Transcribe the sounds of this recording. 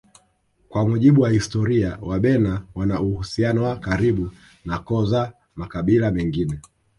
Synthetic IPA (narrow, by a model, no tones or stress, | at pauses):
kwamuʄiɓuwahistɔɾiawaɓɛnawanauhusianɔwakaɾiɓu | nakɔza | makaɓilamɛŋɡinɛ